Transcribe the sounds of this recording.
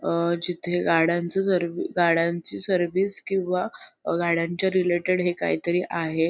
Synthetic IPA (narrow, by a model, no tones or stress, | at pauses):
d͡ʑit̪ʰeɡaɽ̤ãnt͡səsəɾʋiɡaɽãɲt͡ɕiːsəɾʋiːskĩw̃ʋaɡaɽ̤aɲt͡ɕjaɾileʈeɽɦeka̰ɦḭːt̪əɾiːʔaɦe